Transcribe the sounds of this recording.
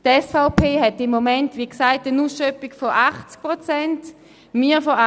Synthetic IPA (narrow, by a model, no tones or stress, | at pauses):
tɛsfaʊpʰeːhɛtɪmːomɛntʋiksaɪtənusʃœpikfɔʔaχt͡sk̚pʁot͡sɛnt | miːfɔa